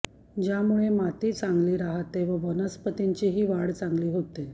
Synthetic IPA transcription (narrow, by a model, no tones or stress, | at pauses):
d͡ʑjamuɭemat̪iːt͡sãŋɡliːɾaɦat̪eʋəʋənəspət̪iɲt͡ɕiɦiːʋaɽt͡sãŋɡliːɦot̪e